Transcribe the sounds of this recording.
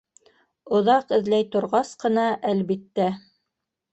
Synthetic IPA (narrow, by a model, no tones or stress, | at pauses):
ŏðɑqɘ̆ðlæjt̪ŏɾʁɑsqɤ̆nɑʔælβit̪ːæ